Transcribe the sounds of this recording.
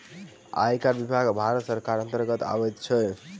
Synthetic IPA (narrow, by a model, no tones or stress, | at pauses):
a̰jkaɾbibʱaɡbʱaɾət̪səɾkaɾənt̪əɾɡət̪a̰bɛt̪t͡ʃʰɛ